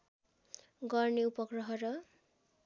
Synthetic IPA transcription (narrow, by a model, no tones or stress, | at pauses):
ɡʌrneupʌɡrʌɦʌɾʌ